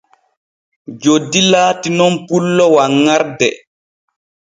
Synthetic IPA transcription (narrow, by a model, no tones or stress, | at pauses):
d͡ʒodːilaːtinɔnpulːɔwaŋːaɾdɛ̰